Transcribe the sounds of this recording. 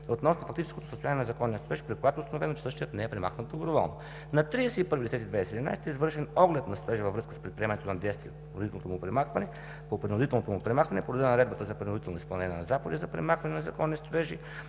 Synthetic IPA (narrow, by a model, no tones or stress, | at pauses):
ot̪nɔsnofɐk̚t̪it͡ʃɛ̥skot̪o̥səst̪ojanijɛnzɐkɔnːiəst̪oɾɛʒi̥pɾikojat̪oːst̪ɐnovɛnot͡ʃɛ̥sɤʃt̪iət̪nɛɛpɾɛma̰xnət̪̚d̪obɾovɔlˠno | nɐt̪ɾiɛsɛipɤɾvid̪ɛsɛt̪id̪vɛjsɛd̪ʲina̰jst̪ɛizvɤɾʃɛnɔɡlɛt̪nɐst̪oɾɛʒivəvɾɤskə̥spɾɛt̪̚pɾiɛmɐnɛt̪onɐd̪ɛjst̪vʲiəpɾnod̪it̪ɛlˠnot̪omupɾɛmaxvɐnɛ | popɾinʊd̪it̪ɛlˠnot̪omupɾɛmaxvɐnɛpod̪od̪ɛnnɾɛd̪bət̪əzɐpɾinod̪it̪ɛlˠnoispɐlˠnɛnʲiɛ̰nɐzapod̪izɐpɾɛmaxvɐnɛnɐzɐkɔnːist̪oɾɛʒi